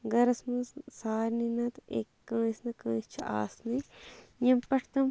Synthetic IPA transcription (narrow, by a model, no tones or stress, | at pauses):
ɡɐɾɐsmɐ̃ssaːɾninɐt̪ḛkːãːsnɐkãːst͡ʃʰiʔa̰ːsnɐjɐmpɐʈʰt̪ɐm